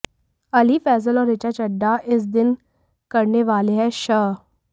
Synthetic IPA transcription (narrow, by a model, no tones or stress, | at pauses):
əliːfɛːz̬əlɔːɾɪt͡ʃaːt͡ʃəɖːaʔɪs̬d̪ɪn | kəɾneːʋaːleɦɛːʃə